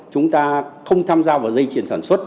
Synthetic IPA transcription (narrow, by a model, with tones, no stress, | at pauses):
t͡ɕʊ˨˦ŋ͡mt̪aː˧xə˧wŋ͡mt̪ʰaː˧mzaː˧vaː˨˩wzə˧jt͡ɕi˨˧˩ənsaː˧˩nswə˦˥t̚